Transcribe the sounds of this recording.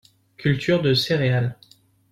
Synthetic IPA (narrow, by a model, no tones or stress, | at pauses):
kʲylt̪ʰyʁd̪əseʁeal